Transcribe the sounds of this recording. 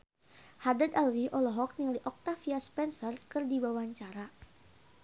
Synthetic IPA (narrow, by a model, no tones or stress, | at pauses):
hadəd̪alwiʔɔlɔɦɔk̚niliʔɔk̚t̪afiaspɛnsərkɨrdibawaɲt͡ʃaɾa